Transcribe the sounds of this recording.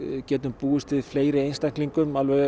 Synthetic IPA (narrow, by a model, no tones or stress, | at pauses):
cɛːt̪̬ʏmpuːʏst̪ɪðfleːjɾɪejnst̪aŋkt̪liŋkʏmalvɛɣ